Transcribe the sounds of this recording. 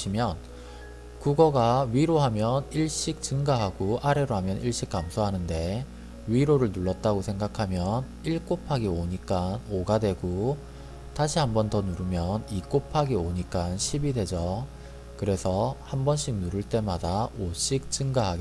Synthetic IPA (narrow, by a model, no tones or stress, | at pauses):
imjʌn | kuɡʌɡaɥiɾoɦamjʌniɭɕ͈ik̚t͡ɕɯŋɡaɦaɡoʔaɾe̞ɾoɦamjʌnʔiɭɕ͈ik̚k͈amsʰoɦanɯnde̞ | ɥiɾoɾɯɭnuɭːʌt̚t͈aɡosʰe̞ŋɡakʰamjʌn | iɭk͈opʰaɡioɲik͈anoɡadwe̞ɡo | taɕʰiɦambʌntʌnuɾɯmjʌnik͈opʰaɡioɲik͈anɕʰibide̞d͡ʑʌ | kɯɾe̞sʰʌhambʌnɕ͈ʰik̚nuɾɯɭt͈e̞madaoɕ͈ik̚t͡ɕɯŋɡaɦaɡe